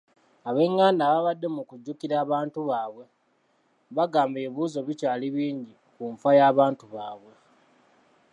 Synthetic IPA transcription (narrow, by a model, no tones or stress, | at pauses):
aβe̞ŋːaːnaβaβadːe̞mukuɟːukiɾaːβaːntuβaːβwe̞ | βaɡaːmbe̞ːβuːzo̞βicaːliβiːɲɟi | kuɱfajaːβaːntuβaːβwe̞